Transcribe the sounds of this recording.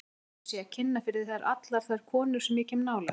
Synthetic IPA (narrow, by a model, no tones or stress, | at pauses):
sjɛacʰɪnːafɪɾɪðθaðaɾʔa̰t̪laɾ̥θaðɾ̥kʰɔːnʏɾ̥sɛmjɛcʰɛːmnaːwla̰